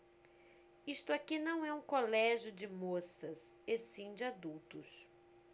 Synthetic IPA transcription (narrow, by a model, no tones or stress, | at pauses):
ist̪ʊakinɐ̃w̃ɛũkolɛʒjʊd͡ʒɪmosɐsesĩd͡ʒɪad̪uwt̪ʊs